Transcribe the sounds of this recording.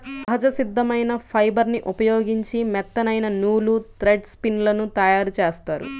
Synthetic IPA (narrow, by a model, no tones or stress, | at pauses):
ɐɦɐd͡ʒɐsid̪ʱːɐmɐjnɐpʰɐjbɐɾniʔupɐjoːɡiɲt͡ʃimɛt̪ːɐnɐjnɐnuːlut̪ɾeɖspinlɐnut̪ɐjaːɾut͡ʃeːst̪aːɾṵ